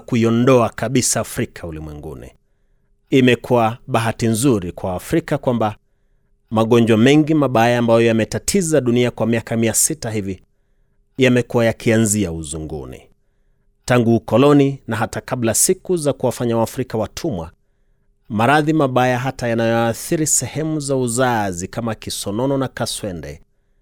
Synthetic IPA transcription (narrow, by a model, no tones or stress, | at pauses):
kuiɔndɔakaɓisaːfɾikʰaulimwɛŋɡṵnḭ | imɛkʰuaɓaɦatinzuɾikwaːfɾikakwamba | maɠɔnd͡ʒwamɛŋɡimaɓajaːmbajɔjamɛtatʰizaɗuniakwamiakamiasitaɦivi | jamɛkuwajakʰianziauzuŋɡṵnḭ | taŋɡuːkɔlɔninaɦatakaɓlasikuzakuwafaɲawafɾikawatʰumwa | maɾaðimaɓajaɦatajanajɔaːθiɾisɛhɛmuzauzazikamakisɔnɔnɔnakaswɛndɛ̰